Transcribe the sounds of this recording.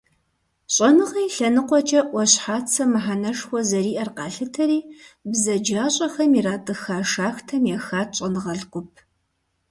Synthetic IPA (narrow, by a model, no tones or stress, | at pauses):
ɕʼɐnɨʁɐjɬɐnɨqʷʼɔt͡ʃʼɐʔʷɔɕħaːt͡sʰɐmɨħanɐʂxʷɔzɐriːʔɐrqɑːɬɨtʰɐɾiːbzɐd͡ʒaːɕʼɐxɐmiraːtʼɨxaːʂaːxtʰɐmjɛxaːt̚ʰɕʼɐnɨʁɐɮqʷʊp̚ʰ